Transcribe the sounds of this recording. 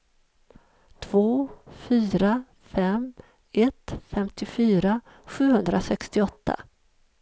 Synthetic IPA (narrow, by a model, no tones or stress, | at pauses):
t̪ʰvoːfyːɾa | fɛm | ɛt̪fɛmt̪ɪfyːɾa | ɧʉ̟ːhɵnd̪ɾasɛkst̪ɪɔt̪ʰːa̰